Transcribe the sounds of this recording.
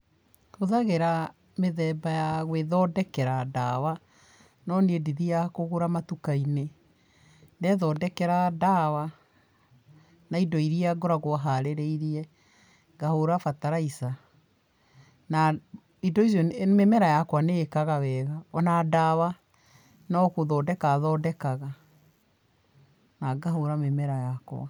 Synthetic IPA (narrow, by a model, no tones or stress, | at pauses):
hoðaɣeɾa | meðɛbajaɣweðɔdɛkɛɾada̰wa | nɔniediðijakoɣoɾamatukaine | nɛðɔdɛkɛɾadawa | naidɔiɾiaɡoɾaɣoɦaɾeɾeiɾiɛ | ɡahoɾafataɾaisa | na | idɔizjɔmemɛɾajakwaneːkaɣawɛɣaɔnadawa | nakoðɔdɛkaðɔːdɛkaɣa | naɡaɦoɾamemɛɾajakwa̰